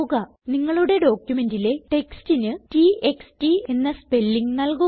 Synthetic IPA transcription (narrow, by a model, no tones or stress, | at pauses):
ɣɐ | niŋːɐɭuɽe̞ɖo̞ːkjume̞ndile̞ʈe̞kstinɨtiekstie̞nːɐspe̞lːiŋɡnɐlku